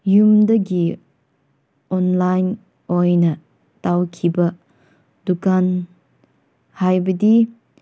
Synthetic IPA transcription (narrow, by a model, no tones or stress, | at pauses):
jumdɐɡi | ɔnlajn | ojnɐ | tawkʰibɐ | d̥ukan | hajbɐdi